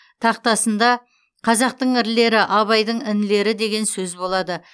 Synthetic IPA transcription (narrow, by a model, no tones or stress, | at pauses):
t̪ʰɑq̚t̪ɑsənd̪ɑ | qʰɑzɑq̚t̪əɴɪɾle̞ɾɪʔɑβɑjd̪əɴɪnle̞ɾɪd̪e̞ɡʲe̞nsɵzbo̞lˠɑd̪ə